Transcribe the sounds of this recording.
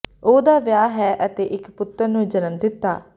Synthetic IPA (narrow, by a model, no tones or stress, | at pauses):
oːd̪aːʋjaːɦɛːʔət̪eːʔɪkpʊt̪ːəɾnũːd͡ʒənəmd̪ɪt̪ːa̰ː